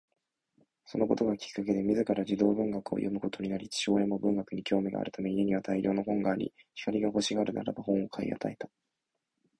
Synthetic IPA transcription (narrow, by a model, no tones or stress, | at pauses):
so̞no̞ko̞t̪o̞ɡakʲi̥kːak̬e̞d̪e̞mʲizɨkaɾad͡ʑid̪o̞ːbɯ̟̃ŋɡakɯo̰jo̞mɯ̟ko̞t̪o̞ɲ̟inaɾʲit͡ɕi̥ɕo̞ːẽ̞mːo̞bɯ̟̃ŋɡakɯ̟ɲ̟ikʲʰo̞ːmʲiɡa̰a̰ɾɯ̟t̪ame̞ɲieɲ̟iβat̪ʰaiɾʲʔo̞ːno̞ɦõ̞ŋɡaːɾʲḭçi̥kaɾʲiɡaɦo̞ɕiɡaːɾɯ̟na̰ɾa̰bahõ̞ɰ̃o̞kʰaḭa̰t̪aet̪ḁ